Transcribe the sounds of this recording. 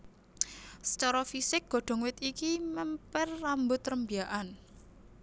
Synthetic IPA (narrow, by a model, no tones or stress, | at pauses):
sə̥t͡ʃɔɾɔfisɪk̚ɡ̥ɔ̤ɖ̥ɔ̤ŋwɪt̪ikimɛmpɛrːambʊt̪rəmbiaʔan